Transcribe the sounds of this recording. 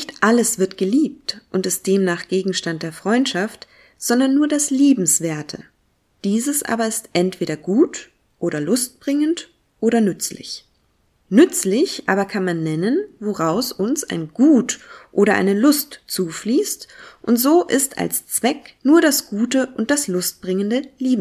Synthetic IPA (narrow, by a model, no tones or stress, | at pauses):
nɪçtʔaləsv̥ɪɐtɡ̥əliːp̚tʔʊntɪst̚d̥eːmnaːχɡ̥eːɡŋ̩ʃtant̚d̥eːɐfʁ̥ɔʏntʃaft | z̥ɔndɐnːuːɐdasliːbm̩sv̥eːɐtʰə̰ | d̥iːzəsʔa̰ːbɐɪstʔɛntv̥eːɾɐɡuːt | ʔoːɾɐlʊst̚b̥ʁɪŋənt | ʔoːɾɐnʏt͡slɪ̰ç | nʏt͡slɪçʔa̰ːbɐkʰanmanːɛnənvoʁaʊsʊnsa̰ɪnɡuːtʔoːɾɐʔa̰ɪnəlʊstt͡suːfliːstʔʊntz̥oːʔɪsta̰lst͡sv̥ɛknuːɐdasɡ̥uːtəʔʊnt̚d̥aslʊst̚b̥ʁɪŋəndəliːbm